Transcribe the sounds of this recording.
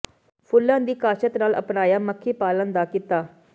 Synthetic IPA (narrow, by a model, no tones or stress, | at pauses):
pʰʊlːãːnd̪iːkaːʃət̪naːlə̰pnaːjaːməkʰːeːpaːlənd̪aːkɪt̪aː